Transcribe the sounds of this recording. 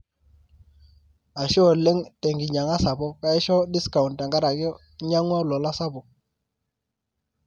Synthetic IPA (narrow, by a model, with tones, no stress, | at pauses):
a˨ʃɔ˦˨lːe˦ŋte˨ŋɡi˨ɲa˨ŋa˦sa˨bɔ˦ka˦i˦ʃɔ˦di˦ska˨u˨nta˨ŋɡa˦ɾa˨ɡ | ɲa˦ŋwa˦lɔ˨la˦sa˦bɔ˨